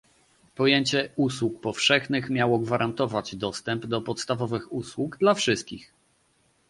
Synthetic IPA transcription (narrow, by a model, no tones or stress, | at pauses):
pɔjeɲt͡ɕɛuswuk̚pɔfʂɛxnɘxmʲjawɔɡvaɾʔant̪ɔvad͡ʑd̪ɔst̪ɛmbd̪ɔpɔt̪st̪avɔvɘxuswuɡd̪lafʂɘst̪̚kʲix